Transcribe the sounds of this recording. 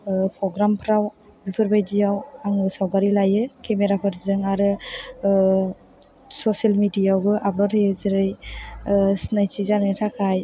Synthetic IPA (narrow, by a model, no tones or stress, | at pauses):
pʰɾɔɡɾampʰɾawbipʰɯɾbajdijawaŋɯsawɡaɾilajɯkʰemeɾapʰɯɾzɯŋaɾɯ | sɔsalmidijawɡɯʔabɾaɾezɯɾɯj | snajtizanɯjtʰakʰaj